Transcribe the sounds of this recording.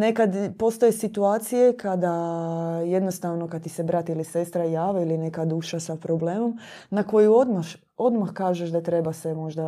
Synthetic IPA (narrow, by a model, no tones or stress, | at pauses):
ne̞kad̪po̞st̪ojesit̪uaːt̪sijekʰad̪a | jed̪nost̪aːʋnokad̪t̪isebɾat̪ilise̞st̪ɾajaːʋailine̞kad̪uːʃasapɾobleːmom | nako̞juo̞d̪maʃ | o̞d̪maxkaːʒeʃd̪at̪ɾe̞basemo̞ʒd̪a